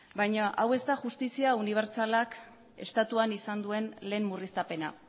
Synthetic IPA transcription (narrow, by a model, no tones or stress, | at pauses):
bajɲaʔawe̞st̪aʝust̪isiauniβ̞e̞ɾt͡salak | e̞̰st̪at̪uanisand̪ue̞nle̞ːmmːurist̪ape̞na̰